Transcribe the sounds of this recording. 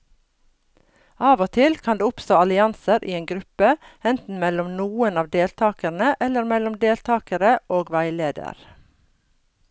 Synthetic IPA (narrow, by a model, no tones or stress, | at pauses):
ɑːʋoːt̪ʰɪlkʰɑnd̪eːʊpst̪oːɑlɪɑnsəɾʔḭːeːŋɡɾʉpəɛnt̪n̩mɛlɔmnuːənɑːʋd̪eːlt̪ʰɑːkəɳəʔɛləɾmɛlɔmd̪eːlt̪ʰɑːkəɾəʔoːɡʋæɪleːd̪ə̰ɾ